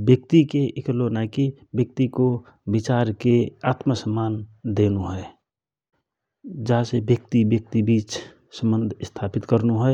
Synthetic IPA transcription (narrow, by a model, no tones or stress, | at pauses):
bjək̚t̪ikeʔeklonaikibjək̚t̪iko | bɪt͡ʃaːɾkeaːt̪məsəmːaːnd̪eːnuɦɛ | d͡ʒaɦsebjək̚t̪ibjək̚t̪ibiːt͡ʃ | sə̃mbə̃nd̪ʱst̪ʰaːpɪt̪kəɾnuɦɛ